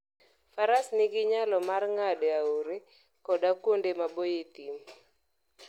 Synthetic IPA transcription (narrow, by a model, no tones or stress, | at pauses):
faɾasnɪɡɪɲalɔmarŋadaoɾe | kɔdakwondemabojet̪im